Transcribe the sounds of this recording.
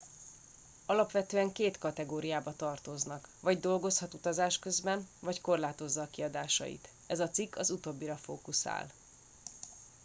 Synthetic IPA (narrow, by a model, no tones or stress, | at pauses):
ɒlɒpʋɛt̪øːɛŋkeːt̪kɒt̪ɛɡoːɾijaːbɒt̪ɒrt̪o̞znɒkʋɒɟd̪o̞lɡo̞shɒt̪ut̪ɒzaːʃkø̞zbɛnvɒcko̞rlaːt̪o̞zːɒːkiɒd̪aːʃɒ̰jḭt̪ | ɛzɒt̪sikʰːɒzut̪o̞bːiɾɒfoːkusa̰ːl